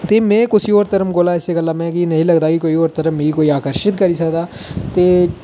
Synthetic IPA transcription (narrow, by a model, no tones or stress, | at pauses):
t̪eːmɛ̃kʊsioːɾt̪əɾəmɡoːlaɛːseɡəlːamɛ̃ːkinɐɦĩlɐɡd̪aːkikoːioːɾt̪əɾəmːeikoːiaːkəɾʃɪt̪kəɾiːsəkd̪aːt̪eː